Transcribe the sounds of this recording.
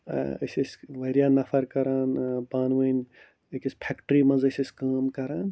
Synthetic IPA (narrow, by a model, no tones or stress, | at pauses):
ə̰jsɐsʲʋɐjɾijanɐpʰɐɾkɐɾaːnbaːnʋɐjn | ekispʰekʈɾimɐzɐjsʲəskaːmkɐɾaːn